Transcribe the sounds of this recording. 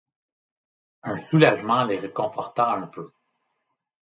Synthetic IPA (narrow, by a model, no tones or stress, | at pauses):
œ̃sulaʒmɑ̃leʁəkɔ̃fɔʁt̪ãɛ̃pø